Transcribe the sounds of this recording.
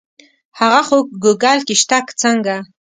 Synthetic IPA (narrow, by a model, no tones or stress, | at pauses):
haɣaxoɡuɡalkɪʃt̪akt͡saŋɡa